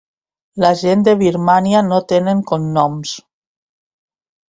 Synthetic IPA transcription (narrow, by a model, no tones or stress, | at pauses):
laʒend̪eβiɾmanianot̪eneŋkonnːɔms